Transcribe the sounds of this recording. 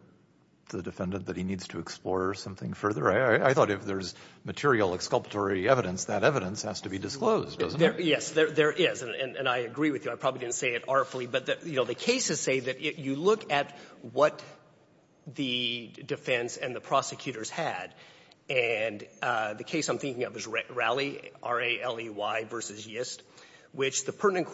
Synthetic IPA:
ðɨdɨfɛ̃ndɨ̃nðɨt̚hinidz̥tʰɨːksplɔɹsʌ̃mθɪ̰̃ŋfɜ˞ðə˞aɪaɪaɪθɔɾɨfðə˞zmɨtʰɪɹil̩ˠəkskʌlˠpə̥tʰɔɹiɛvɨɾɨ̃nsðɨɾɛvɨɾɨ̃nshæz̥tʰɨbidɨskloʊzddʌ̰zn̩ðə˞jɛsðə˞ðə˞ʔjɪɛzɨ̃nɨ̃nɨ̰̃naɪɨɡɹiwɨðjɨaɪpʰɹ̥ɑblidɪdⁿn̩tseɪɨɾɑɹfl̩ˠibʌt̪̚ðɨjɨnoʊðɨkʰeɪsɨz̥seɪðɨt͡ʃɪɨlʊkɨt̚wʌt̪̚ | ðɨdɨfɛ̃nsɨ̃nðɨpʰɹ̥ɑsɨkʰj̥ʉɾə˞z̥ɨdɨ̃nðɨkʰeɪsãɪ̃mθɪ̃ŋkɪ̃ŋʌvɨzɹɹælˠiʔɑɹeɪʔɛlˠiwaɪvɜ˞sɨzjɪst̚ | wɪt͡ʃðɨpʰɜ˞ʔnɨ̃nkʰ

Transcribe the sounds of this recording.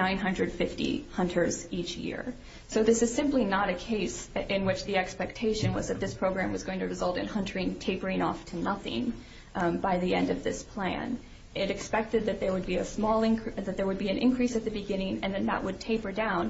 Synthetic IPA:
nãɪ̃nɦʌ̃ndɹɨd̥fɪftḭhʌ̃ntʰə˞zit͡ʃjɪ̰ɹ | soʊðɪsɨz̥sɪ̃mplinəɾɨkʰeɪsɪ̃nwɪt͡ʃðiɛkspɛk̚tʰeɪʃɨ̃nwʌzðɨt̪̚ðɪspʰɹ̥oʊɡɹæ̃mwʌzɡoʊɪ̃ŋtʰɨɹɨzʌlˠtɨ̃nhʌ̃ntʰə˞ɪ̃ŋtʰeɪpə˞ɪ̃ŋɔftʰɨnʌθɪ̰̃ŋ | baɪðiɛ̰̃ndʌvðɪ̰spʰl̥æ̰̃n | ʔɪɾɨkspɛk̚tɨd̪̚ðɨt̪̚ðə˞wəd̚biɨsmɔlˠɪ̃kðɨt̪̚ðə˞wəd̚biɨ̃nʔɪ̰̃nkʰɹ̥isɨt̪̚ðɨbɨɡɪ̃nɪ̃ŋɨ̃nðɨ̃nðə̰ʔwɨd̚tʰeɪpə˞dãʊ̃n

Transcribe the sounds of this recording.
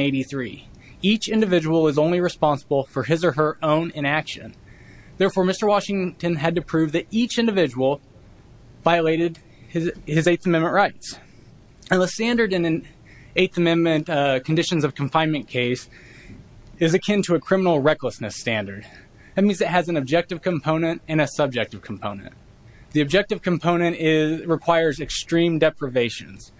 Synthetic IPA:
eɪɾiθɹi | it͡ʃɪ̃ndɨvɪd͡ʒəwl̩ˠəzõʊ̃nliɹɨspɑ̃nsəbl̩ˠfə˞ɨzə˞ə˞ʔõʊ̃nɨ̃ñækʃɨ̰̃n | ðɛɹfɔɹmɪstə˞wɑʃɪ̃ŋtɨ̃nɨd̚tɨpʰɹ̥ʉvðɨɾit͡ʃɪ̃ndɨvɪd͡ʒəwl̩ˠ | vaɪɨleɪɾɨd̚ | ɨzeɪθɨmɛ̃nmɨ̃nʔɹaɪts | ɨ̃nðəstæ̃ndə˞ɾɨ̃nɨ̃n | eɪθɨmɛ̃nmɨ̃nkʰn̩dɪʃɨ̃nzʌv̥kʰɱfãɪ̃nmɨ̃nkʰeɪs | ɨzɨkʰɪ̃ntʰɨɨkʰɹ̥ɪ̃mənl̩ˠɹɛkləsnɨstæ̃ndə˞d | ðɨt̚mĩnzðɨt̚ɦɨz̃n̩ɨb̚d͡ʒɛk̚tɨv̥kʰɨ̃mpʰõʊ̃nɨ̃ntɨ̃ñɨsʌb̚d͡ʒɛk̚tɨv̥kʰm̩pʰõʊ̃nɨ̰̃n | ðiɨb̚d͡ʒɛk̚tɨv̥kʰmpʰõʊ̃ñɨ̃ntɪzɹɨkʰw̥aɪə˞zɨkstɹ̥ĩmdɛpɹɨveɪʃɨ̰̃nz̥

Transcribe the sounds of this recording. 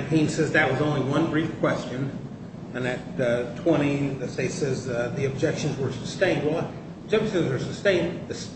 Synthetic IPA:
pʰĩnsɛzðɨt̚wʌzõʊ̃nliwʌ̃nbɹifkʰw̥ɛst͡ʃɨ̃n | ɨ̃nɨt̚ʰw̥ɛ̃ɾ̃iɨseɪsɛzðiɨb̚d͡ʒɛkʃɨ̃n̩zwə˞səstẽɪ̃nd̚wɛlˠ | d͡ʒɛbʃɨ̃nzwə˞sɨstẽɪ̃nðɨs

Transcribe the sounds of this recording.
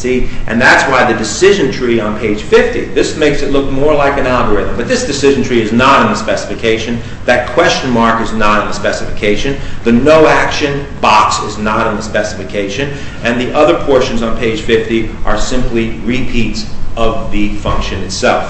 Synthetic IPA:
siʔɨ̰̃nðætswaɪðɨdɨsɪʒɨ̃ntʰɹ̥iə̃npʰeɪd̥ʒ̥fɪftiðɪsmeɪksɨtˡlʊk̚mɔɹlaɪkɨ̃nælˠɡə˞ɪðə̃mbʌt̪̚ðɪsd̥ɨsɪʒɨn̩tʰɹ̥iɨznəɾ̃n̩ðɨspɛsə̥fɨkʰeɪʃɨ̃n | ðɨt̚kʰw̥ɛst͡ʃɨ̃nmɑɹkɨznəɾɨ̃n̩ðəspɛsɨfɨkʰeɪʃɨ̃nðɨnoʊækʃɨ̃n | b̥ɑksɨznəɾn̩ðəspɛsəfɨkʰeɪʃɨ̃n | ɨ̃nðiʔʌðə˞pʰɔɹʃɨ̃n̩zn̩pʰeɪd̥ʒ̥fɪftiʔə˞sɪ̃mpliɹipʰitsʔʌvðɨfʌ̃ŋkʃɨ̃nɨtsɛ̰lˠf

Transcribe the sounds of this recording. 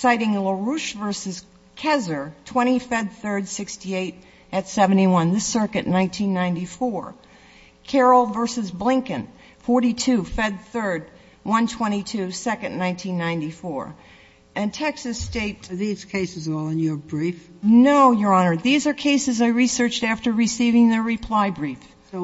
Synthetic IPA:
saɪɾɪ̃ŋləɹuʃvɜ˞sɨz̥ | kʰɛzə˞tʰw̥ɛ̃ɾ̃ifɛd̪̚θɜ˞dsɪkstieɪɾ | ɨtsɛṽn̩tiwʌ̃nðɨsɜ˞kɨʔⁿnãɪ̃ntʰĩnːãɪ̃ntifɔɹ | kʰɛɹl̩ˠvɜ˞sɨzblɪ̃ŋkɨ̃n | fɔɹɾitʰʉfɛd̪̚θɜ˞d̚ | wʌ̃ntʰw̥ɛ̃ɾ̃itʰʉsɛkɨ̃nːãɪ̃ntʰĩnːãɪ̃ntifɔɹ | ʔɨ̃ntʰɛksɨsteɪtəðiz̥kʰeɪsɨzɔlˠə̃njə˞bɹif | noʊjə˞ɑnə˞ðizə˞kʰeɪsɨzaɪɹisɜ˞t͡ʃtæftə˞ɹɨsivɪ̃ŋðə˞ɹɨpʰl̥aɪbɹif

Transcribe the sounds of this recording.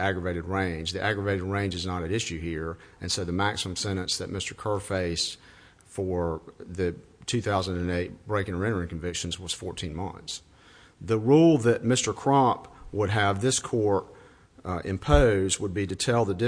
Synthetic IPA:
æɡɹəveɪɾɨd̚ɹẽɪ̃nd͡ʒðiʔæɡɹəveɪɾɨd̚ɹẽɪ̃nd͡ʒɨznəɾɨ̃nɪʃʉhiɹɨ̃nsoðɨmæksəmə̃m̩sɛ̃ɾ̃ɨ̃nsðɨt̚mɪstə˞kʰɜ˞feɪs | fə˞ðɨtʰʉθaʊzə̃ndɨ̃neɪt̚b̥ɹeɪkɪ̃ŋɪ̃ɾ̃ə˞ɨ̃nkʰɨ̃ɱvɪkʃɨ̃n̩zwʌz̥fɔɹtʰĩnmʌ̰̃nθs | ðəɹulˠðɨt̚mɪstə˞kʰɹ̥ɑ̃pwəɾ̚ɨvðɪskʰɔɹɾ | ɪ̰̃mpʰoʊz̚wəd̚biɾɨtʰɛlˠðɨdɪ

